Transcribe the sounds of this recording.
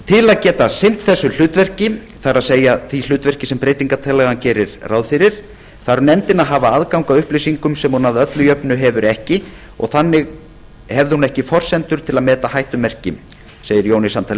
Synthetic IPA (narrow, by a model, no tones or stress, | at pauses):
t̪ʰɪlaðcɛːt̪asɪn̥t̪θɛsːʏl̥ʏːt̪vɛr̥cɪ | θaɾaðseːjaθil̥ʏːt̪vɛr̥cɪsɛmpɾeːjt̪iŋkat̪ʰɛlɛɣancɛːɾɪɾrʔaːwðfɪɾɪɾ̥ | θaɾnɛmt̪ɪnaðɦaːvaaðkawŋkaʏhplejsiŋkʏmsɛmhunaðœt̪lʏjœpnʏɦɛvʏɾɛhcɪ | ɔ̰ɣθanːɪɣ | hɛvðɪhunɛhcɪfɔr̥sɛnt̪ʏɾ̥t̪ʰɪlaðmɛːt̪ahajht̪ʏmːɛr̥cɪ | seːjɪɾjownisamt̪ʰaːlɪ